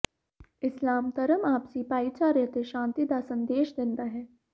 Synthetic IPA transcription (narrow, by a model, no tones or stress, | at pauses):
ɪslaːmt̪ɐɾəmaːpsipaːit͡ʃaːɾjət̪eʃãːnt̪id̪asɐ̃nd̪eːʃd̪ɪ̃nd̪aɦɛː